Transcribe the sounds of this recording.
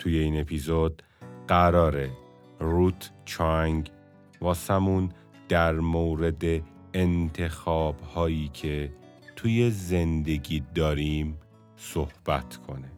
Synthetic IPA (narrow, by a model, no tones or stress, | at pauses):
t̪ʰujeiːne̞pʰizod̪̥ | ɢæɾɒːɾe | ɾut̪ʰt͡ʃʰɒŋɡ | vɒːsæmun | d̪̥æɾmoːɾe̞d̪eː | nt̪ʰe̞xɒːbhɒːjiːcʰe̞ | t̪ʰuːje̞ze̞nd̪e̞ɟiːd̪ɒːɾim | sohb̥æt̪ʰkʰo̞ne